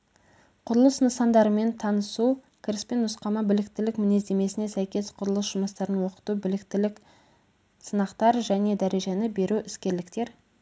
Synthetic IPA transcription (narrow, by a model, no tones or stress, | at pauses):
qʰʊɾəlˠəsnəsɑnd̪ɑɾəme̞nt̪ʰɑnəsu | kʲʰɪɾɪspe̞nʊsqɑmɑbɪlɪkt̪ɪlɪkmɪne̞zd̪e̞me̞sɪne̞sæjkʲe̞sqʰʊɾəlˠəsʒ̥ʊməst̪ɑɾənwo̞qə̥t̪ubɪlɪkt̪ɪlɪk | sənɑqt̪ɑɾʒæne̞d̪æɾe̞ʒenɪbe̞ɾuʔɪskʲe̞ɾlɪkt̪e̞ɾ